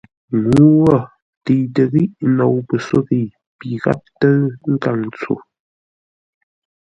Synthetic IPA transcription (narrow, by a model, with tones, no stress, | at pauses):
ŋu˨˦wɔ˦˨ | ti˨tə˨ɣi˦ʔno˨wpə˨so˦ɣi˨ | pi˨ɣa̰˦p̚tə˦ŋ̩˦ka˨ŋt͡so̰˨